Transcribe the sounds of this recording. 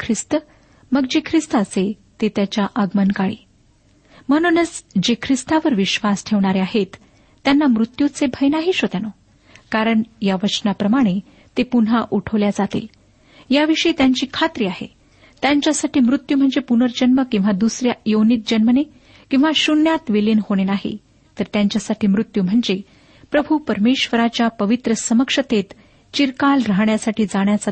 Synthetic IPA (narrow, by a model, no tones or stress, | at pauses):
kʰɾist̪ə | məɡd͡ʑekʰɾist̪əse | t̪et̪jat͡ɕjaʔəɡmənkaɭḭː | məɽ̃unət͡sd͡ʑekʰɾist̪aʋəɾʋiɕʋasʈʰeʋɳaɾeaɦet̪ː | janːamɾut̪jut͡sebʱəjnaɦiːɕot̪ano | kaɾəɳjaʋət͡ɕnapɾəmaɽ̃e | t̪epunɦaʔuʈʰəʋljad͡zat̪ḛl | jaʋiʂəit̪jaɲt͡ɕiːkʰat̪ɾiːaɦḛ | t̪jaɲt͡ɕjasaʈiːmɾut̪jum̤əɳd͡zepunəɾd͡ʑənməkĩw̃ʋad̪usɾjajownit̪̚d͡ʑənməne | kĩw̃ʋaɕunjat̪ʋelinhoɽ̃enaɦḭ | t̪əɾt̪jaɲt͡ɕjasaʈʰiːmɾut̪juːm̤əɳd͡ze | pɾəbʱupəɾmeɕʋəɾat͡ɕjapəʋit̪ɾəsəməkʂət̪et̪ | t͡ɕiɾkalɾaɦɳjasaʈʰiːd͡zaɳjat͡sa